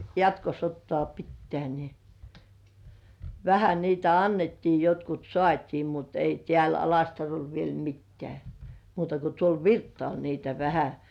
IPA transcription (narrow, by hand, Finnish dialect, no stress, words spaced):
jɑtkosotːŏɑˑ pitːĕæˑ ni ʋæhæ niːtæ ɑnːetːiː jotkut sŏɑˑtʲiː mut ei tĕæˑl ɑlɑstɑrol ʋiel mitːĕæˑ muːtɑ ko tuol ʋirtːŏɑˑl niːtæ ʋæhæ